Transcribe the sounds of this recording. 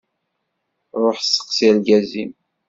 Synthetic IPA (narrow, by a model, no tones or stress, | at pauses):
ɾˤoħsːə̥qsiælɡæzim